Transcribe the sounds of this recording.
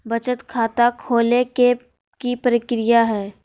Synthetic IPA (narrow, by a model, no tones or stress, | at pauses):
bɐt͡ʃət̪kʰaːt̪akʰoːleke | kipɾɪkɾɪjaɦɛː